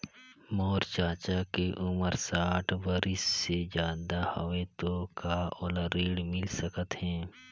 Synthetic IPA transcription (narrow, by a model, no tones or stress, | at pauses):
mɔːɾt͡ʃaːt͡ʃakeʔʊməɾsaːʈʰʋəɾɪsːezjaːd̪ahoʋet̪okaːoləɾiːɽmɪlsəkət̪ɦɛ̃ː